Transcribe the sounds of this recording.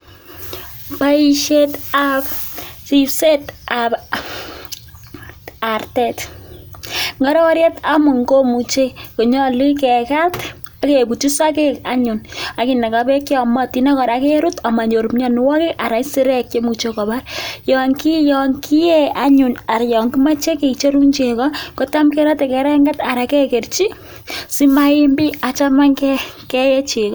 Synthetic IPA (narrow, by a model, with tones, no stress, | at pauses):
pa˦iʃe˦tapsi˨pse˦tap | artɛt | ŋa˦ɾɔ˦ɾje˦ta˦mʊ˨ŋɡo˦mu˨t͡ʃe˦ko˨ɲɔ˦li˦kɛ˨ka˦t | a˦ke˨bu˨ti˦sa˦ke˦ka̰˦ɲʊ˨na˨ki˨na˨kapɛ˦kjɔ˨ma˦ti˨na˦kɔ˨ɾa˨ke˦ɾu˦ta˨ma˨ɲo˨ɾu˨mɲɔ˨ni˨wɔ˦kɪ˦ka˨ɾa˨˦si˦ɾɛ˦kjo˦mu˨t͡ʃe˧kɔ˨ba˦rjɔ˨ŋki˦jɔ˨ŋkʰi˦je˦a˦ɲʊ˨na˨ɾjɔ˨ŋki˦ma˦t͡ʃe˦ke˨t͡ʃe˦ɾu˦nt͡ʃe˨kɔ˦ko˦ta˦mkɛ˦ɾa˦te˨kɛ˨ɾɛ˦ŋɡata˨ɾa˨kɛ˦ke˨rt͡ʃi˦ | si˦maɪ˦mbi˦a˨t͡ʃa˦ma˦ŋkɛkɛ˦jɛ˦t͡ʃe˨kɔ˦